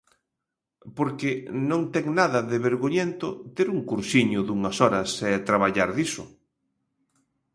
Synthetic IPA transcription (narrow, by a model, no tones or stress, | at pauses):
poɾkɪnõŋt̪ɛŋnaðɐðɪβeɾɣoɲent̪ʊt̪eɾuŋkuɾsiɲʊðuŋɐsɔɾɐsɛt̪ɾaβaʎaɾðisʊ̰